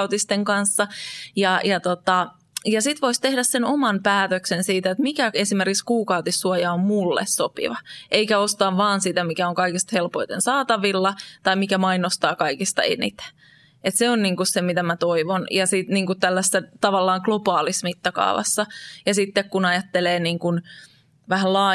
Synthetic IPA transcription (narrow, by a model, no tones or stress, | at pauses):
ut̪ist̪eŋkɑnsːɑjɑjɑt̪ot̪ɑ | jɑsit̪ʋoist̪ehdæssenomɑnpæːt̪øksensiːt̪æet̪mikæesimerkikskuːkɑut̪isːuɑjɑommulːḛssopḭʋɑʔeikæost̪ɑːʋʋɑːnsit̪æmikæoŋkɑikist̪helpoit̪ḛnsɑːt̪ɑʋilːɑt̪ɑimikæmɑinost̪ɑːkɑikist̪ɑ̰ḛnḭt̪æ̥ | et̪seonniːŋkussemit̪æmæt̪oiʋonjɑsit̪niːŋkut̪t̪ælːæsːæt̪ɑʋɑlːɑːŋklobɑːlismit̪ːɑkɑ̰ːʋɑ̰sːɑjɑsit̪ːekkunɑjɑt̪ːeleːniːŋkun | ʋæhællɑː